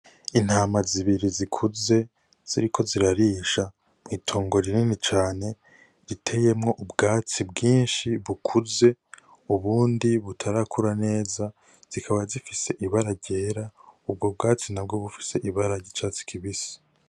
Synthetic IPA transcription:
in̥haːmaziβiɾizikʰuze̞ | z̥iɾikʰo̞ziɾaɾiːʃa | mŋiːtʰo̞ːŋɡo̞ɾininet͡ʃaːne̞ | zitʰe̞je̞mŋo̞ʔubɡaːt͡sibɡiːnʃiβukʰuze̞ | uβuːndiβutʰaɾakʰuɾane̞ːza | z̥ikʰaβazifise̞ʔiβaɾaɾɟe̞ːɾaub̚ɡo̞bɡaːt͡sinab̚ɡo̞βufi̥se̞ʔiβaɾaɟit͡ʃaːt͡si̥kʰiβisi̥

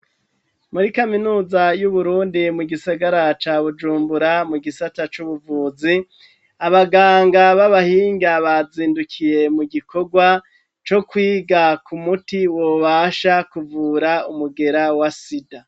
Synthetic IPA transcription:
muɾikaminuːzajuβuɾuːndimuɡisaɡaɾat͡ʃaːβud͡ʒuːmbuɾamuɡisatat͡ʃuβuvuːzi | aβaɡaːŋɡaβaβahiːŋɡaβaziːndukʰije̞muɡikʰo̞ɡwa | t͡ʃo̞kwiːɡakumutiwo̞βaʃakuvuːɾaumuɡe̞ɾawasida

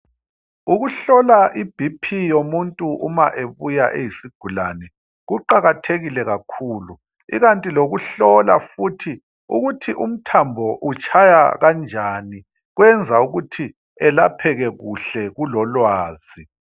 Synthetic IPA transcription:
uɣuɬɔlaʔib̥ʱipʰijomuntʼuʔuma̰ʔeβujaʔejisiɡ̥ʱulanɛ | ɣuǃaɣatʰeɣilɛɣakʰuːlu | ḭɣantʼiloɣuɬɔla̰futʰi | ṵɣutʰiʔum̩tʰambʱɔʔut͡ʃʼʰaja̰ɣand͡ʒʱaːni | ɣwɛnd͡zʱauɣutʰi | ɛlapʰɛɣɛɣuɬɛɣulɔlwaːz̥i

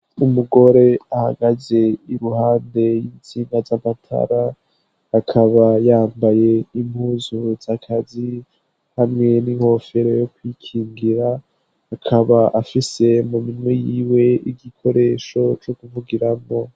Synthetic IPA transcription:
umuɡo̞ɾe̞aha̰ɡaze̞iɾuhaːnde̞jint͡siːŋɡazamatʰa̰ɾaː | kʰaβajaːmbaje̞im̥huzuzakʰazi | hamŋe̞niŋho̞fe̞ɾo̞jo̞kwikʰiːŋɡiɾaː | kʰaβaʔafise̞muminwejiːwe̞iɡikʰo̞ɾe̞ʃo̞t͡ʃo̞kuvuɡiɾamo̞

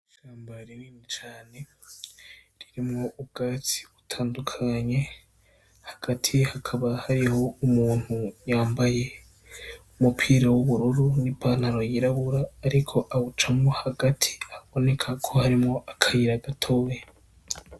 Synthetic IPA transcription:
iʃaːmbaɾiwiːnit͡ʃaːne̞ | ɾiɾimŋo̞ʔub̚ɡaːt͡si̥βutʰaːndukʰaɲe̞ | haɡ̥atʰihakʰaβahaɾiho̞umuːn̥hujaːmbaje̞ | umupʰiːɾawuβuɾuɾunipʰaːn̥aɾo̞jiɾaβuɾaːɾikʰo̞ʔaβut͡ʃamŋo̞haɡatʰi̥aβo̞ne̞kʰakʰo̞haɾimŋo̞ʔakʰajiɾaɡatʰo̞je

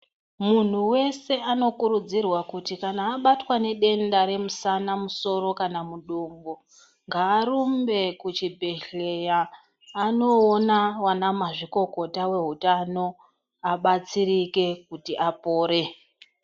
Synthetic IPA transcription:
mun̤uwe̞se̞ano̞kuɾud͡zirwakutikanaːɓatwane̞ɗe̞ndaɾe̞musanamuso̞ro̞kanamuɗombo | ŋɡaːɾumbe̞kut͡ʃibʱe̞ɬe̞jaː | no̞ːnawanamaʐiko̞ko̞tawe̞ɦutano̞ | aɓat͡sirike̞kutiʔapo̞ːɾe̞

